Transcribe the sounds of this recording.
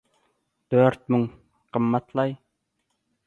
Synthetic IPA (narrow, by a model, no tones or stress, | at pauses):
d̪̥øɾt̪̚myŋ | qʰəmːɑt̪ʰlˠɑj